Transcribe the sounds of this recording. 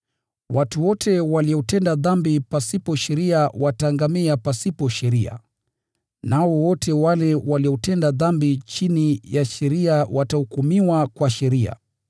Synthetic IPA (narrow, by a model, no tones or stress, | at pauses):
watuwɔtʰɛwaliɔtɛndaðambipasipɔʃɛɾiawataŋɡamiapasipɔʃɛɾia̰ | nawɔwɔtʰɛwalɛwaliɔtɛndaðambit͡ʃinijaʃɛɾiawatahukumiwakwaʃɛɾia̰